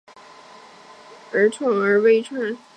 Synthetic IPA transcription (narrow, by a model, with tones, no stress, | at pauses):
ə˧˥tʰʊ˥ŋə˞˧˥we˥ɪʈ͡ʂʰə˥ŋ˥